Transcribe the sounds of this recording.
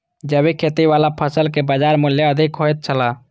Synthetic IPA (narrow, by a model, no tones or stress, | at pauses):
d͡ʒəbikʰet̪iʋaːlapʰəsəlkebəd͡ʒaːɾmʊljəəd̪ʱɪkɦoːjt̪̚t͡ʃʰəla